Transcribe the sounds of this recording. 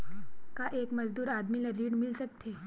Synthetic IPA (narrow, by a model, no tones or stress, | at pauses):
kaʔeːkmɐd͡ʒd̪uːɾaːd̪milaɾiːɽmɪlsək̚t̪ʰeː